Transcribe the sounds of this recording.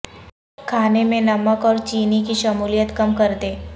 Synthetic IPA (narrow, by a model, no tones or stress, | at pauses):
kʰaːnemẽnɐməkɔːɾt͡ʃiːnikiʃɐmuːlijət̪kɐmkɐɾd̪eː